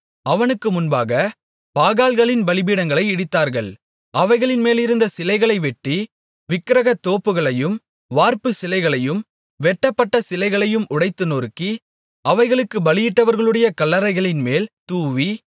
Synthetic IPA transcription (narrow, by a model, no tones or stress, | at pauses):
ɐʋɐnɯkːɯmʊnbaːɣɐ | paːɣaːlɣɐɭɪnbɐɭɪbiːɽɐŋɡɐɭɐɪɪɽɪt̪ːaːɾɣɐɭ | ʔɐʋɐɪɣɐɭɪnmeːlɪɾɯnd̪ɐsɪlɐɪɣɐɭɐɪʋɛʈːi | ʋɪkːɪɾɐɣɐt̪ːoːpːɯɣɐɭɐjɯm | ʋaːɾpɯsɪlɐɪɣɐɭɐjɯm | ʋɛʈːɐpːɐʈːɐsɪlɐɪɣɐɭɐjɯmʊɽɐɪt̪ːɯnoːɾkːi | ʔɐʋɐɪɣɐɭɯkːɯbɐlɪjɪʈːɐʋɐɾɣɐɭɯɽɐjɐkɐlːɐɾɐɪɣɐɭɪnmeːlt̪uːʋi